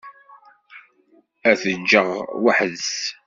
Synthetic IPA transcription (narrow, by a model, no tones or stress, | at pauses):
æθənd͡ʒəʁwaħəðs